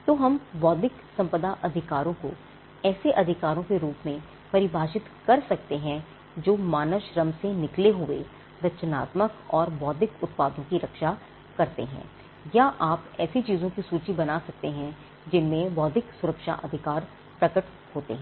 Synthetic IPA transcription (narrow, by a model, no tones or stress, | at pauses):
t̪oːɦɐmʋɔːd̪ɪksɐ̃mpəd̪aʔɐd̪ʱɪkaːɾõko̰ | ɛːseʔɐd̪ʱɪkaːɾõkeɾuːpmẽ | pɐɾɪbʱaːʃɪt̪kɐɾsɐk̚t̪eɦɛ̃ | d͡ʒoːmaːnəʃɾɐ̃msenɪkleɦʊḛ | ɾɐt͡ʃəna̰ːt̪məkɔːɾʋɔːd̪ʱɪkʊt̪̚paːd̪õkiɾɐkʃa | kɐɾt̪ḛɦɛ̰̃ː | jaʔaːpɛːsit͡ʃiːzõkisuːt͡ʃibɐnasɐk̚t̪eɦɛ̃ | d͡ʒɪnmẽʋɔːd̪ʱɪksʊɾəkʃa̰ʔɐd̪ʱɪkaːɾ | pɾɐkəʈ | hoːt̪ḛɦɛ̃ː